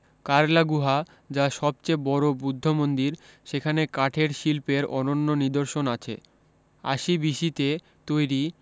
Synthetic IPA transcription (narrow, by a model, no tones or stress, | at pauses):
kaɾlaɡuɦa | d͡ʑaʃɔb̚t͡ɕebɔɾobud̪ʱːomond̪iɾʃekʰanekaʈʰeɾʃilpeɾɔ̰nonːonid̪oɾʃonat͡ɕʰḛ | a̰ʃibiʃit̪e | t̪ojɾi